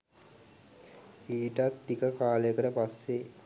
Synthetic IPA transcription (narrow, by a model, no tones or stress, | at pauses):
iːʈat̪ːikəkaːləjəkəʈəpasːe